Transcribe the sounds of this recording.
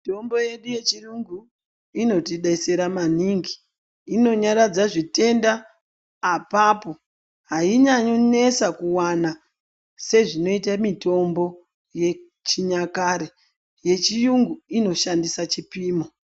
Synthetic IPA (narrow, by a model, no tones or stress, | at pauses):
ito̞mbo̞je̞ɗuje̞t͡ʃijuŋɡu | ino̞tiɗaiseɾamaniŋɡiː | no̞ɲaɾad͡zaʐite̞ndaː | paːpo̞ | ɦaiɲaɲone̞sakuwana | se̞ʐino̞it̬amito̞mbo̞ | je̞ | t͡ʃiɲakaːɾe | je̞t͡ʃijuŋɡuino̞ʃandisat͡ʃipiːmo